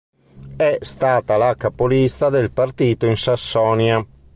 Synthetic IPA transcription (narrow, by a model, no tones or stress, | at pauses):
ɛst̪aːt̪alakapolist̪ad̪elpart̪iːt̪oinsasːɔːnja